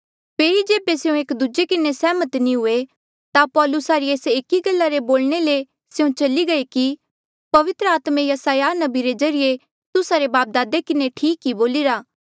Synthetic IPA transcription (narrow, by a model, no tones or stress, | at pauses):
pʰeːɾid͡ʒeːbeseũeːkd̪ud͡ʒekɪnesɛːmət̪nĩɦʊe | t̪apɔːlʊsaɾieːseːkiɡɐlːaɾeboːlɽ̃ele | seũt͡ʃɐliɡɐeki | pɐʋɪt̪ɾəaːt̪mẽjɐsaːjanɐbiɾezɐɾɪje | t̪ʊsaɾebaːp̚d̪aːd̪ekɪneʈʰiːkɦiboːliɾaː